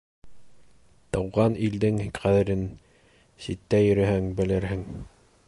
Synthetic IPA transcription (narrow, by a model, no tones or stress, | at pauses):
t̪ɤwʁɑnild̪ɘŋχæðɘ̆ɾɘn | sit̪ːæjɵ̆ɾɘ̆ɦɘŋbɘ̆lɘɾhɘŋ